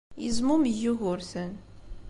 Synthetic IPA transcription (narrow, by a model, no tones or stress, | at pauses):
jəzmuməjːuɣʊɾθən